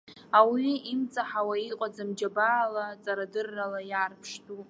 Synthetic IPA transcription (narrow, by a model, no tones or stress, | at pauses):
awiimt͡sʼaħawaiqʷʼad͡zamd͡ʒabaːlat͡sʼaɾadɨrːalajaːrpʰʂtʰʼu